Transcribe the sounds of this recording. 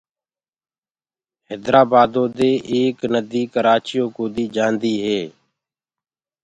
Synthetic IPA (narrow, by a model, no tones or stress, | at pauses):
ɦeːd̪ɾaːbaːd̪õːd̪eːʔeːknəd̪iːkəɾaːt͡ʃɪjoːkoːd̪iːd͡ʒaːnd̪iːɦeː